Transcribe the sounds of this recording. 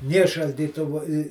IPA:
ˈnʲeː ʃɐlʲdʲiːˈtʊʋʊ ɪ

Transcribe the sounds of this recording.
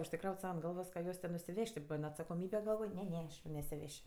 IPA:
ʊʃʲsʲɪˈkrɐʊtʲ ˈsɐʊ ɐnt ˈɡɐlˠʋoːs kɐ ˈjuɔs tʲɛn nʊsʲɪˈʋʲɛʃʲtʲ tʲɪ ˈbɐn ɐtsɐkoːˈmʲiːbʲɛ ɡɐlˠˈʋoːj ˈnʲɛ ˈnʲɛ nʲɛsʲɪˈʋʲɛʃʲ

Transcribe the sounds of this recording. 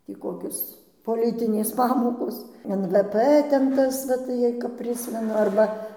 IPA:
ˈtʲiː ˈkoːkʲoːs poːˈlʲɪtʲɪnʲeːs ˈpɑːmoːkoːs ɛn ʋɘ ˈpɘ ˈtʲɛn ˈtɐs ʋɐ tɐɪ jɛɪ kɐp ˈpʲrʲɪsʲmʲɛnʊ ˈɐrbɐ

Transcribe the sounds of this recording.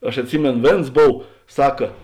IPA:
ɐʃ ɐtʲˈsʲɪmʲeːnoː ˈʋʲeːns ˈboːw ˈsɑːkɐ

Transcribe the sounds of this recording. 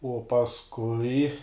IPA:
uɔ pɐsˈkʊɪ

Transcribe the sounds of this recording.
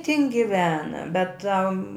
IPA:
tʲɪn ɡʲɪˈʋʲæːnɐ bʲɛt tɐm

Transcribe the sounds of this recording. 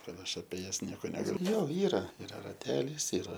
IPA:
ˈkɐt ˈɐʃ ɐpʲiɛ ˈjɛs ˈnʲiɛkoː nʲɛɡɐˈlʲʊ ˈjoː ˈiːrɐ ɪˈrɐ rɐˈtʲæːlʲiːs ɪˈrɐ

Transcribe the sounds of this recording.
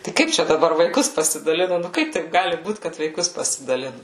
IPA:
tɐɪ ˈkɐɪp t͡ʃʲɛ dɐˈbɐr ʋɐɪˈkʊs pɐsʲɪdɐˈlʲɪnʊ nʊ ˈkɐɪp tɐɪp ˈɡɑːlʲɪ ˈbuːt kɐt ʋɐɪˈkʊs pɐsʲɪdɐˈlʲɪnʊ

